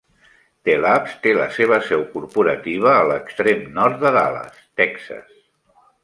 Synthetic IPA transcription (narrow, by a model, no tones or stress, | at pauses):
t̪elapst̪elə̰seβ̞əsɛwkuɾpuɾət̪iβ̞əːləkst̪ɾemnɔɾt̪̚d̪əða̰lə̰st̪ɛksə̰s